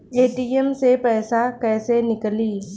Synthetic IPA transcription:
eːʈiːɛmsepɛːsakɛːsenɪkəliː

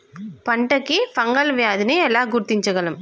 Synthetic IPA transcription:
pɐɳɖɐkːefɐŋɡɐlʋjaːðɯneːɛlːaːɡʊɾt̪ːɪɲd͡ʒɐɣɐlɯm

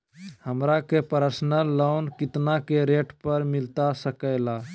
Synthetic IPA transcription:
həmɾakepəɾəsnəlːoʊnkɪt̪nakeɾeːʈpəɾmɪlt̪asəkəɪla

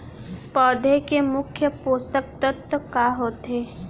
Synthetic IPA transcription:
pɔːd̪ʱekemʊkʰjəpoːst̪ək̚t̪ət̪ːəkaːɦoːt̪ɦeː

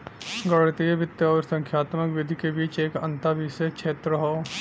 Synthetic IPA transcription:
ɡɐɽt̪iebɪt̪jəɔːɾsə̃ŋkʰjaːt̪məkʋɪd̪ʱikebiːt͡ʃeːkɐ̰̃nt̪abʱiːsekʃʰeːt̪ɾəɦoː

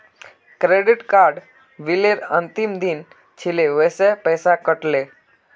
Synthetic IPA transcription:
kɾeɽiʈkaɾɖ | ʋileɾənt̪imd̪in | t͡ɕʰileʋəsepəjsakəʈle

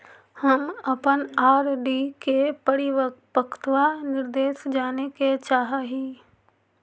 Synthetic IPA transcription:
həmɐpənaːɾɖiːkepəɽiʋəpəkt̪ʋanɪɾd̪eːʃd͡ʒaːneket͡ʃaːɦaɦiː

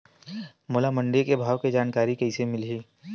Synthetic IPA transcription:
moːlamɐ̃ɳɖɪɾkebʱaːʋked͡ʒaːnkaːɾikɐisemɪlɦiː

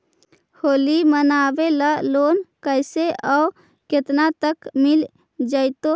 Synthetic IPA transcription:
holimənabeləlonkəɪseʔəu | ket̪nat̪əkmil | d͡ʒəɪt̪o

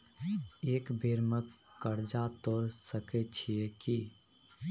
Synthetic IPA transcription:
eːkbʱeːɾmə | kːəɾd͡ʒat̪oɾsəkɛt͡ʃʰieki

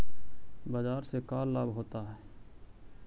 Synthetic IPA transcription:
bad͡ʒaːɾsekaːlːabɦoːt̪aɦɛː

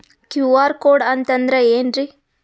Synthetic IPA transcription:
kjuːʋaːɾkoːɖɐnt̪ɐnd̪ɾeeːnɾi

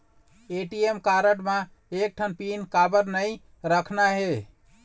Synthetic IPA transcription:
eʈiemkaɾəʈmã | ek̚ʈʰənpinkabəɾnəj | ɾəkʰnaɦe

